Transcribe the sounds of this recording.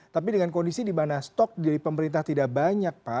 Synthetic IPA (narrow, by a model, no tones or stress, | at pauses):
t̪ap̬idəŋankondisidimanast̪ɔk̚d͡ʒadipəməɾint̪aht̪idaʔbaɲak̚pa